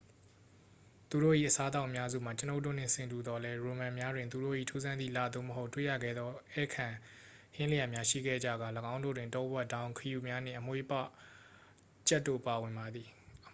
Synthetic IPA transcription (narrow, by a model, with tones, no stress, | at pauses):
t̪u˨ɾo̰˦˨ʔḭ˦˨ʔəsa˦t̪a˦ʊʔəmja˦zṵ˦˨ma˨t͡ɕəno˦ʊʔt̬ːo̰˦˨n̥ɪ̰̃˨sɪ̃˨ntu˨d̪ɔ˦lɛ˦ɹo˨mã˨mja˦dwɪ̃˨nt̪u˨ɾo̰˦˨ʔḭ˦˨tʰu˦zã˦nd̪ðḭ˦˨la̰˨d̪o̰˦˨məɦo˦tːwḛ˦˨ja̰˦˨ɡɛ̰˦˨d̪ðɔ˦ʔɛ̰˦˨kʰã˨ | hɪ̃˦lə˨ja˨mja˦ʃḭ˦˨ɡɛ̰˦˨d͡ʑa̰˦˨ɡa˨ləɡã˦ʊ̃ndo̰˦˨dwɪ̃˨ntɔ̃˦bwɛ˦ʔtã˦ʊ̃kʰəju˨mja˦n̥ɪ̰̃˦˨ʔəmwḛ˦˨pa˦˨ | t͡ɕɛ˦tːo̰˦˨pa˨wɪ̃˨mba˨d̪ði˨